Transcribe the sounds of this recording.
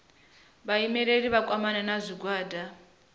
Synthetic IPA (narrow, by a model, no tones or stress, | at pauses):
βaimɛɺeɺiβakʼwamanɛnazʷiɡwaːda